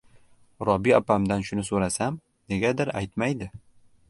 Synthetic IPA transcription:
ɾɒbiapamd̪anʃʊnɪsoɾasam | ne̞ɡʲad̪ɪɾa̰jt̪majd̪ɪ

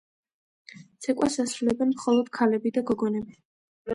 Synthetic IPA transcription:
t̪sʰɛkʼʔasasɾulɛbɛnmχɔlˠɔd̪̥kʰalɛbid̪aɡɔɡɔnɛbi

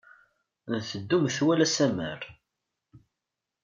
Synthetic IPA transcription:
nθəd̪ːumθwælæsæmə̰ɾ

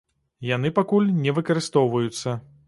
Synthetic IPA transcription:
jan̪ɨpakulʲnʲɛvɨkɐɾɨst̪ɔwvɐjut̪sːɐ

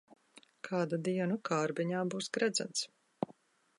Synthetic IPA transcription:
kʰaːd̪ad̪iɛnukʰaːɾbiɲaːbuːsɡɾæd̪za̰nt̪s

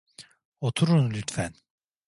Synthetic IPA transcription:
ot̪ʰuɾunlʲyt̪fæn

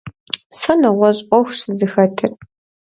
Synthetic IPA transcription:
sɐnɨʁʷɔɕʼʷɔxʷsɨdɨxɐtʰɨr

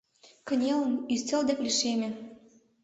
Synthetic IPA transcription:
kə̆nʲelə̆nyst͡sʲə̆ld̪eklʲiʃemʲĕ

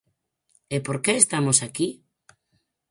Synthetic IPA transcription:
epoɾkeest̪amosaki

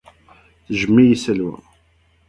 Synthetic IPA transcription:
θʒəmːijisəlwæ̰

